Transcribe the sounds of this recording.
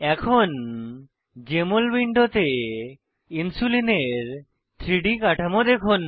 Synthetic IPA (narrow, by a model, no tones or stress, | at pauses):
ɛkʰon | d͡ʑemolbiɳɖʱot̪e | insulineɾ | t̪ʰɾiɖikaʈʰamod̪ekʰon